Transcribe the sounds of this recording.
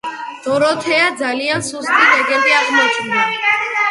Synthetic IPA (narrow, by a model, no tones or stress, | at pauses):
d̪̥ɔɾɔt̪ʰɛad̪zaliansust̪ʼiɾɛɡɛnt̪ʼiaʁmɔt͡ʃʰʼnd̪a